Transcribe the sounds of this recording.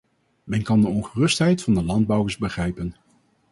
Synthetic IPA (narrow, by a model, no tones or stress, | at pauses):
mɛnkɑndəɔnχərɵstɦɛjtfɑndəlɑnd̚bɑwəɹzbəχrɛjpən